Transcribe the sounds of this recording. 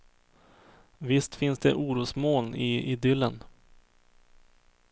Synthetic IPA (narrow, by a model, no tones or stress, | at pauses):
vɪst̪fɪnsd̪ɛʔuːɾuːsmoːnɪɪd̪ʏlːən